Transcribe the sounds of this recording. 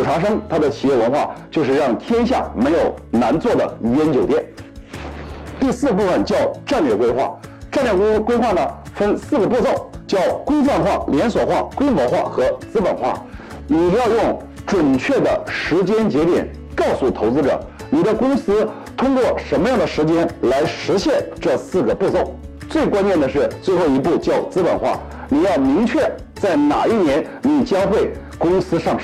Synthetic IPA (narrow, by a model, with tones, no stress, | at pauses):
ʈ͡ʂʰa˧˥ʂ̬ɤ˥ŋt̪ʰa˥d̪ə˨t͡ɕʰi˨˩jɛ˥˩wə˧˥nxwa̰˥˧t͡ɕjo˥˧ʊʂ̬ɻ̩˥˧ɻɑ˥˩ŋt̪ʰjɛ˥nɕja̰˥˩me˧˥ɪjo˨˩ʊna˧˥nt͡swɔ˥˩d̪ə̰˩˧˥ɥɛ˥nt͡ɕjo˨˩ʊt̪jɛ˥˩n | t̪i˥˧sɹ̩˥˧pu˥˩fə˨˩nt͡ɕjɑ˥˧ʊʈ͡ʂa˥˧nlɥjɛ˥˩kwe˥ɪxwa̰˥˩ʈ͡ʂa˥˧nɥɛ˥˩kwe˥ɪxwa˥˩nə˩fə˥nsɹ̩˥˩ɡə˩pwɔ˥˧t͡so˥˩ʊt͡ɕjɑ˥˩ʊkwe˥ɪfwa˥˧nxwa˥˩ljɛ˧˥nswɔ˨˩xwa̰˥˩kwe˥ɪmwɔ˧˥xwa̰˥˩xɤ˧˥t͡sɹ̩˥pə̰˨˩nxwa̰˥˩ | ni˨˩jɑ˥˧ʊjʊ˥˩ŋ | ʈ͡ʂwə˨˩nt͡ɕʰɥɛ˥˩d̪ə̰˩ʂɻ̩˧˥t͡ɕjɛ˥nt͡ɕjɛ˧˥t̪jɛ̰˨˩˦n | kɑ˥˧ʊsu˥˩t̪ʰo˧˥ʊt͡sɹ̩˥ʈ͡ʂɤ̰˨˩ | ni˨˩d̪ə˦kʊ˥ŋsɹ̩˥ | t̪ʰʊ˥ŋkwɔ˥˩ʂə˧˥nmə˧jɑ˥˩ŋd̪ə˩ʂɻ̩˧˥t͡ɕjɛ˥nla˧˥ɪʂɻ̩˧˥ɕjɛ˥˧nʈ͡ʂɤ˥˧sɹ̩˥˩ɡə˩pu˥˧t͡so˥˩ʊ | t͡swe˥˩ɪkwa˥nt͡ɕjɛ˥˩nd̪ə˩ʂ̬ɻ̩˥˩t͡swe˥˧ɪxo˥˩ʊi˧˥pu˥˩t͡ɕjɑ˥˩ʊt͡sɹ̩˥pə̰˨˩nxwa̰˥˩ | ni˨˩jɑ˥˩ʊmi˧˥ŋt͡ɕʰɥɛ˥˩ | t͡sa˥˩ɪna̰˨˩i˥˩njɛ˧˥n | ni˨˩t͡ɕjɑ˥ŋxwe˥˩ɪ | kʊ˥ŋsɹ̩˥ʂɑ˥˩ŋʂ